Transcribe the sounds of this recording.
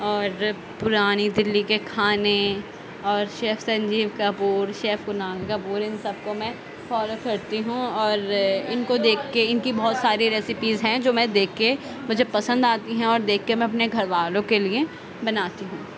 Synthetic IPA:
ɔːɾ | pʊɾaːnid̪ɪlːikekʰaːne | ɔːɾʃeːfsɐ̃ɲd͡ʒiːʋkapuːɾʃeːfɡʊnaːlkapuːɾɪnsɐb̚komɛ̃ | fɔːlokɐɾt̪iɦũɔːɾɪnkod̪eːkʰːeɪnkibɔːt̪saːɾiɾɛːsɪpizɦɛ̃d͡ʒoːmɛ̃d̪eːkʰːe | mʊd͡ʒʱepɐsə̃nd̪aːt̪iɦɛ̃ɔːɾd̪eːkʰːemɛ̃ɐp̬neɡʱɐɾʋaːlõkelie | bɐnaːt̪iɦũː

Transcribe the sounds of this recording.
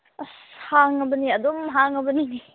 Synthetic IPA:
shaŋɐbəniɐd̪ɔmɦaŋɐbənini

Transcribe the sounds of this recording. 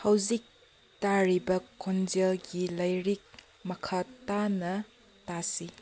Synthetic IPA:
hɐwzik̚ | taɾibɐkʰond͡ʒelɡilɐjɾik̚ | mɐkʰatanɐ | tasi

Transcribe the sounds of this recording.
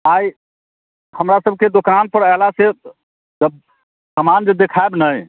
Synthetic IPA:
aj | həmɾasəb̚ʱked̪okanpəɾaɪlase | d͡ʒəb̚ | səmand͡ʒəd̪ekʰaebnəj

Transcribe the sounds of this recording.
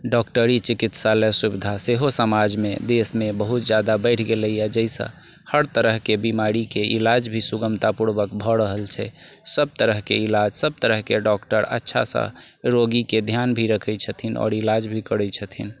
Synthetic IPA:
ɖɔkʈəɾit͡ʃikit̪salɛsubid̪ʱaseɦosəmad͡ʒmḛd̪esmebəɦut̪̚d͡ʒad̪abəɪʈʰɡeləjad͡ʒəjsə̰̃ | həɾt̪əɾəɦkebimaɾikeʔḭlad͡ʒbʱisuɡəmt̪apuɾbəkbʱəɾəɦəlt͡ʃʰɛsəb̚t̪əɾəɦkḛilad͡ʒsəb̚t̪əɾəɦkeɖɔkʈəɾə̰tːʃʰa̰sə̰̃ | ɾoɡiked̪ʱjanbʱiɾəkʰɛt͡ʃʰət̪ʰinɔ̰ːɾilad͡ʒbʱikəɽɛt͡ʃʰət̪ʰin

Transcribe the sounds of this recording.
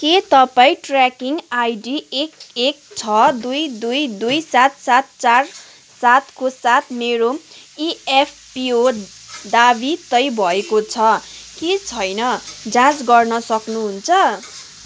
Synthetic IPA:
ket̪ʌpaĩʈrakiŋajɖiekek̚t͡sʰʌd̪ujd̪ujd̪ujsat̪sat̪̚t͡sar | sat̪kosat̪meɾoiep̚ʰpiod̪abit̪ʌjbʱʌekot͡sʰʌket͡sʰʌjnʌd͡zãd͡zɡʌrnʌsʌknuɦunt͡sʰʌ

